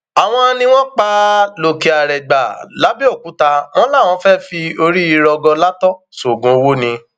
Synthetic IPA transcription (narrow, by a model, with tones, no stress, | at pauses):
a˨w̃ɔ̃˧nĩ˧w̃ɔ̃˦k͡pa˦lo˨ki˨a˨ɾɛ˨ɡ͡ba˨la˨˦bi˦o˦˨ku˨˦ta˧w̃ɔ̃˦la˦˨w̃ɔ̃˨˧˦fɛ˦fi˧o˧ɾi˦i˧ɾɔ˧ɡɔ˧la˦tɔ˦ | so˨ɡũ˨˦o˧wo˦nĩ˧